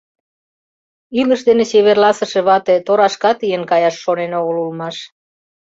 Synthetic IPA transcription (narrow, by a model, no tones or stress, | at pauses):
iləʃd̪eneseβerlɑsə̆ʃeβɑt̪et̪oɾɑʃkɑt̪ijənkɑjɑʃːonenoɣəlulmɑʃ